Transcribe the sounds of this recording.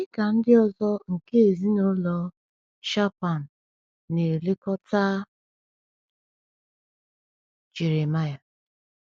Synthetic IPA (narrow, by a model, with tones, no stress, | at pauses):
ɪ˦ka˨n̩˦dɪ˦ɔ˦zɔ˦ŋ̩˨ke˦e˨zi˦no˦lɔ˦ | ʃa˦pa˨n̩ː˨ | e˨le˦kɔ˦ta˦ | d͡ʒe˨ɾe˨ma˦ja˨